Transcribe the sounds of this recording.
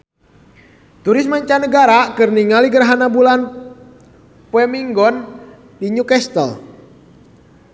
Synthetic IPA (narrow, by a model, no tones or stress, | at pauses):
t̪uɾismaɲt͡ʃanəɡaɾakɨrniŋaliɡəɾaɦanabulan | pɛmiŋɡɔn | diɲukɛst̪ə̰l